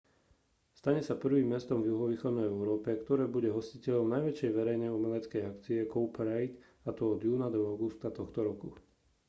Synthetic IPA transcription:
st̪aɲɛsapr̩ʋiːmːɛst̪ɔmvjuɦɔʋiːxɔd̪nɛjɛʊɾɔːpɛkt̪ɔɾɛːbuɟɛɦɔscicɛʎɔmnajʋɛt͡ʃjɛjʋɛɾɛjnɛjumɛlɛt͡skɛjakt͡siɛkɔʊpɛɾɛjt̪ | at̪ɔɔd̪juːnad̪ɔaʊɡust̪at̪ɔxt̪ɔɾɔku

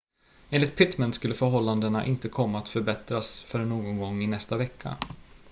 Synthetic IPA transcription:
eːnlɪt̪̚pʰɪt̪mənt̪skɵlːəfœɾɦɔlːand̪əna̰ʔɪnt̪əkʰɔmːaːt̪fœɾbɛt̪ɾasfœɾɛnːoːɡɔnɡɔŋːɪnɛst̪avɛkʰːa̰

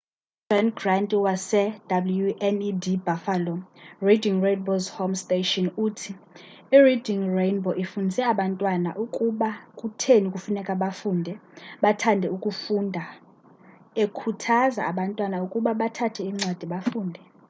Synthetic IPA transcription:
d͡ʒɔnɡrantʼiwasɛd̥abljuʔɛnidibafalɔrediŋrenbozhomstʼeʃɔnuːtʰi | iridʱiŋrejnbʱɔʔifundʱisɛaɓantʼwana̰ʔukʼuɓakʼutʰeniukʼufunɛkʼaɓafuːndʱɛɓatʰandʱɛukʼufuːndʱa | ekʰutʰaza̰aɓantʼwanaukʼuɓaɓatʰatʰɛiŋ͡ǀwad̥ʱiɓafuːndʱɛ

